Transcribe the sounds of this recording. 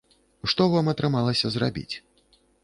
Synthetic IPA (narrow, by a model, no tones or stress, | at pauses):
ʂt̪ɔvamɐt̪ɾɨmalˠɐsʲɐzra̰bʲḭt͡sʲ